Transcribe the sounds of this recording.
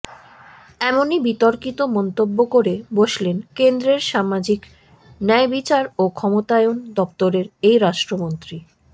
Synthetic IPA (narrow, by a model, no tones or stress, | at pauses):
ɛmonibit̪oɾkit̪omɔnt̪obːokoɾeboʃlenkend̪ɾeɾʃamad͡ʑik | nɛebit͡ɕaɾokʰɔmot̪aeond̪ɔpt̪oɾeɾejɾaʃʈɾomont̪ɾi